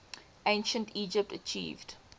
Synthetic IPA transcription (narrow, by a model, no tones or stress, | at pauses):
ʔẽɪ̃nʃə̃ntiːd͡ʒəp̚tət͡ʃḭːvd̥